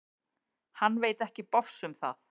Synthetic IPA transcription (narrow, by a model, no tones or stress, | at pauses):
hanːveːjt̪ɛhcɪpɔfsʏmθa̰θ